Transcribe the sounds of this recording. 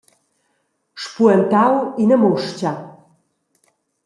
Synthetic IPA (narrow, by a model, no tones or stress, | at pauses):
ʂpuɛnt̪awinəmowʂt͡ɕa